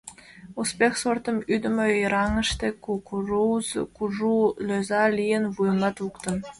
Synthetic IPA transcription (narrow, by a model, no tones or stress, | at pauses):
uspʲexsort̪ɤ̆myd̪ɘ̆mʲejɾɑŋɤ̆ʂt̪ʲekukuruzkuʐulʲøzɑlʲijɘ̆nvujmɑt̪ukt̪ɤ̆m